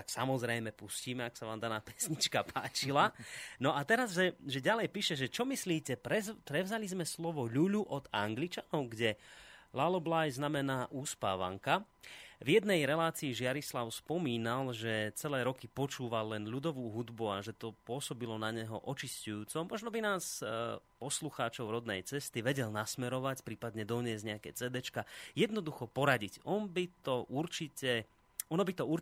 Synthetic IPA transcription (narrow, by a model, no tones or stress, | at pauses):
t̪aksamɔzɾɛjmɛpusciːmɛaksaʋaːmd̪anaːpɛ̥sɲit͡ʃkapʰaːt͡ʃilanɔʔat̪ɛɾazʒɛʒɛɟalɛjpiːʃɛʒɛt͡ʃɔmisliːcɛpɾɛzpɾɛʊzalizmɛslɔʋɔʎuʎuʔɔd̪aŋɡlit͡ʃanɔʊɡɟɛlalɔblajznamɛnaːʔuːspa̰ːʋa̰ŋkavjɛd̪nɛjɾɛlaːt͡siːʒɪaɾislaʊspɔmiːnalʒɛt͡sɛlɛːɾɔkipɔt͡ʃuːʋalːɛnʎud̪ɔʋuːɦud̪buaʒɛt̪ɔpʊɔsɔbilɔnaɲɛɦɔ̰ʔɔt͡ʃiscujuːt͡sɔmɔʒnɔbinaːspɔsluxaːt͡ʃɔʊɾɔd̪nɛjt͡sɛst̪iʋɛɟɛlnasmɛɾɔʋacpɾiːpad̪ɲɛd̪ɔɲɪɛzɟɲɛakɛːt͡sɛd̪ɛt͡ʃkajɛd̪nɔd̪uxɔpɔɾaɟicɔnbit̪ɔʔuɾt͡ʃicɛ | ɔnɔbit̪ɔuɾ